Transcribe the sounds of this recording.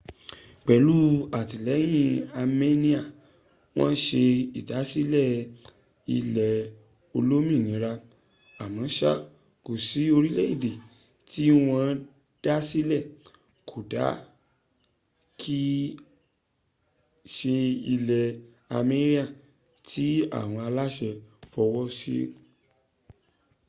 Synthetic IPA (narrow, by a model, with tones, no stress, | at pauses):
k͡pɛ˨lu˦a˨ti˨lɛ˨˦j̃ĩ˦˧a˧me˦nĩ˦a˦˨ | w̃ɔ̃˦n̩˦ʃe˧i˨da˨˦si˦lɛ˦˨ | i˧lɛ˨ | o˧lo˦mĩ˦˨nĩ˨˦ɾa˧ | a˨mã˨˦ʃa̰˦ | ko˨si˨˦o˧ɾi˦lɛ˦i˦˨de˨ | ti˦w̃ã˧˦ | d̥a˦si˦lɛ˦˨ | kʰo˨da˨˦ | kʰi˦ | ʃe˧i˧lɛ˨ | a˧me˦ɾi˦a˦˨ | tʰi˦a̰˦˨w̃ɔ̃˧a˧la˦ʃɛ˧fɔ˧wɔ˦sḭ˦